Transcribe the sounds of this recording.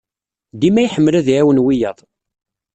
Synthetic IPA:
d̪imæjħəmːəlæðʕæwənwijɑðˤ

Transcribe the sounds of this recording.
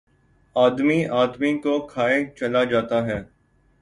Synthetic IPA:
aːd̪miaːd̪mikokʰaːet͡ʃɐlad͡ʒaːt̪aɦɛː

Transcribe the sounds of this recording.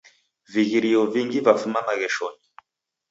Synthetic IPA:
viɣiɾiɔviŋɡivafumamaɣɛʃɔni

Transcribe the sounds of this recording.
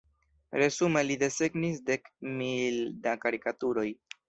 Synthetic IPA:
ɾe̞zume̞lide̞se̞ɡnisde̞kmildakaɾikatuɾo̞j

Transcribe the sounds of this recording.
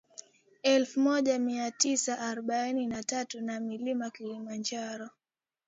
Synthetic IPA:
ɛlfumɔʄamiatisaʔːɾɔɓaininatatunamilimakilimand͡ʒaɾɔ

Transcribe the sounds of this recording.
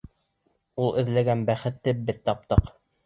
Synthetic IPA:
ulˠɘ̆ðlæɡænbæχɘ̆t̪ːɘbɘðt̪ːɑp̚t̪ɤq

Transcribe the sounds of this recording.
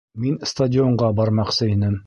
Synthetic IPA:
minst̪ɐdʲɪoɴɢɑbɑɾmɑqsɤinɘm

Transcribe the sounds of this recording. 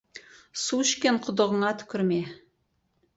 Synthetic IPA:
suʃkʲenqʰʊ̆d̪ə̆ʁə̆ɴɑt̪ʰʏ̥kʲʏɾme

